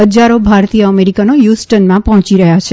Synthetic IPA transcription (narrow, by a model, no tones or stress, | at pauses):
ɦəd͡ʒaɾobʱaɾt̪ijəəmeɾikanojusʈənmãpəɦɔ̃t͡ʃiɾəɦjat͡ʃʰe